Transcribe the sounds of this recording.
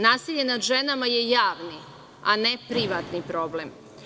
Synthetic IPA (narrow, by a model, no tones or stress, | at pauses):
naːsiʎe̞nad̪ʒenamaje̞jaːʋni | anepɾiʋat̪nipɾo̞blem